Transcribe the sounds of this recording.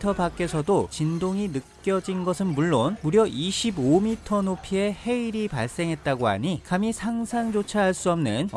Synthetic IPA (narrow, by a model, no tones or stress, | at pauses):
tʰʌbak͈e̞sʰʌdot͡ɕindoŋinɯkkkk͈jʌd͡ʑinɡʌsʰɯnmuɭːonmuɾjʌʔiɕʰibomitʰʌnopʰie̞he̞iɾipaɭs͈e̞ŋɦe̞t̚t͈aɡoa̰ɲikamisʰaŋsʰaŋd͡ʑot͡ɕʰaɦaɭs͈uʌmnɯn